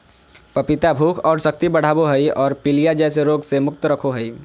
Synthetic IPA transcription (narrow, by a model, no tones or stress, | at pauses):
pəpit̪abʱukʰɔːɾsək̚t̪ibəɽ̤aːboɦəjɔːɾpilijad͡ʒɛs̬eɾoɡsemʊk̚t̪ɾəkʰoɦəi